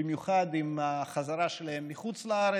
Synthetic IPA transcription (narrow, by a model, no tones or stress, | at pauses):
imjuχad̪imaχazaɾaʃelahemːiχut͡slaaɾe